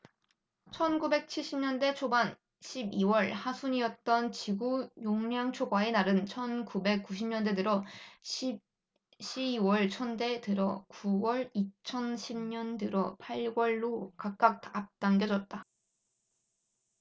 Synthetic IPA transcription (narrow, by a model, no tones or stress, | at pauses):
t͡ɕʰʌnɡube̞k̚t͡ɕʰiɭɕ͈ʰimɲʌnde̞t͡ɕʰoban | ɕʰibiwʌɭhasʰuɲiʌt̚t͈ʌnt͡ɕiɡujoŋɲaŋt͡ɕʰoɡwaenaɾɯnt͡ɕʰʌnkube̞k̚k͈uɕʰimɲʌndedɯɾʌ | ɕ͈ʰiiwʌɭt͡ɕʰʌnde̞tɯɾʌkuwʌɭit͡ɕʰʌnɕʰimɲʌndɯɾʌpʰaɭɡwʌɭːokak̚k͈ak̚tap̚t͈aŋɡjʌd͡ʑʌt̚t͈a